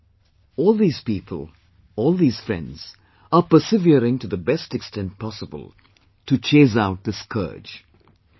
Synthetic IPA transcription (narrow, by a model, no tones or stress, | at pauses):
ɔːlˠd̪iːz̥piːpʰə̰l | ɔːlˠd̪iːz̥fɹɛ̰̃ndz̥ | əpəsɪviɾɪ̃ŋʈuðəbɛstɛkstɛ̃nt̚pʰɑsəbə̰lˠ | ʈut͡ʃʰeːs̬aʊt̚d̪ɪskʰə̰ːd͡ʒ